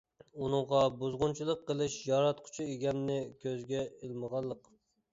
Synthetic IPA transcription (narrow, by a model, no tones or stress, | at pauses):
unɨŋʁɑbuzʁʊnt͡ʃʰilˠəqːəlˠɨʃjɑɾɑt̪qʰʊ̥t͡ʃʰieɡʲɛmnɪkʲʰøzɡʲɛelməʁɑlˠːəq